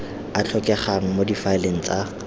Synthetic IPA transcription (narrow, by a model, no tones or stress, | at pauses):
at͡ɬʰɔkʼɛχaŋ̩modifaɪleŋ̩t͡sʼa